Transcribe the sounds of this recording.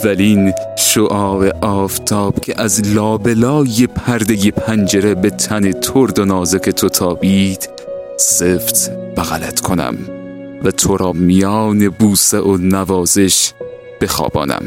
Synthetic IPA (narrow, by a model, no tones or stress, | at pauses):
væliːnʃoʔɒːveʔɒːft̪ʰɒːb̥cʰeʔæzlɒːbelɒːjepʰæɾd̪ejepʰænd͡ʒeɾebet̪ʰæne̞t̪ʰoɾd̪onɒːzekʰet̪ʰot̪ʰɒːbiːd̪̥ | seft̪b̥æɣælæt̪ʰkʰonæ̰m | væt̪ʰoɾɒːmijɑːne̞buːseʔonævɒːze̞ʃ | b̥e̞xɒ̰ːbɒ̰ːnæ̰m